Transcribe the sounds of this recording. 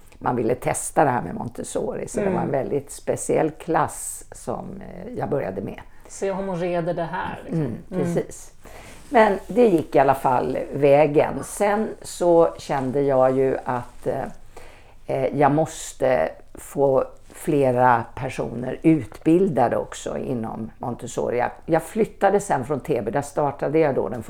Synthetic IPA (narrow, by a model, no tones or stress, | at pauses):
mʔa̰nvɪlːət̪ʰɛst̪ad̪ɛhæːmɛ̰mɔ̰nt̪ʰəsoːɾɪ̰sɔd̪ɛvaɾɛnvɛld̪ɪt̪spɛsɪɛ̰lːkʰlas | sɔ̰mjɑːɡbœɾja̰d̪əmɛ̰ | sɔjɑhɔmːɔɾeːd̪əɖɛɦæːpʰɾɛsiːs | mɛnd̪ɛjɪkːɪalːafalːvɛːɡə̰nsɛnsɔɕɛnd̪əjɑːjɵat̪ | jɑːɡmɔst̪ə̰ | foː | fleːɾapʰæʂṵːnə̰ɾʉ̟ːt̪bɪld̪ad̪əɔ̰ksɔ̰ɪ̰nːɔ̰mːʔɔnt̪əsɔ̰ɾɪa̰jɑːɡflʏt̪ːad̪əsɛnfɾɔnt̪ʰeːbɛd̪ast̪ɑːʈad̪əjad̪o̰d̪ɛnf